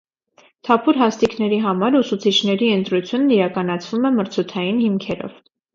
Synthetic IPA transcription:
t̪ʰɑpʰuɾɦɑst̪iknɛɾiɦɑmɑɾusut͡sʰit͡ʃʰnɛɾiənt̪ɾut͡sʰjunːiɾɑkɑnɑt͡sʰvumɛməɾt͡sʰut̪ʰɑjinhimkʰɛɾɔ̰v̥

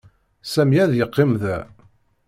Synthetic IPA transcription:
sæmjæðjəqːɪmðæ

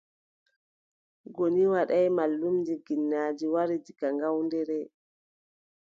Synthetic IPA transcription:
ɡoniwaɗajmalːumdiɡinːaːd͡ʒiwaɾid͡ʒiɡaŋɡawndɛɾɛ

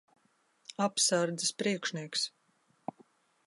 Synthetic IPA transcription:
apsaɾd̪zispɾiɛkʃniɛks

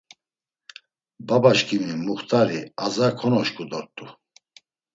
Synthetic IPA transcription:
babaʃkʰʼimimuχt̪ʼaɾiazakʰɔnɔʃkʼud̪ɔɾt̪ʼu

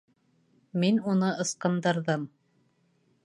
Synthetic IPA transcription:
minunɤɤ̆sqɤ̆nd̪ɤ̆ɾðɤm

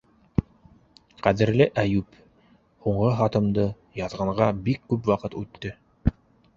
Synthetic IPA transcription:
qæðɘ̆ɾlɘʔæjʉp | huɴʁɤɦɑt̪ɤ̆md̪ɤ | jɑðʁɑɴʁɑbikːʉpwɑqɤt̪ʉt̪ːɵ

